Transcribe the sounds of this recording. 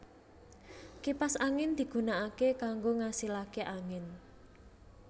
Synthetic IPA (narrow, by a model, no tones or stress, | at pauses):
kipasaŋɪnd̪̥i̤ɡ̥ṳnaʔakekaŋɡoŋasilakeʔaŋɪn